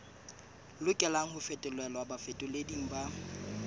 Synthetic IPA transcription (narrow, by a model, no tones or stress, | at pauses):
lʊkʼɛlaŋ̩hʊfɛtʼʊlwɛlɔabafetʼʊlediŋ̩ba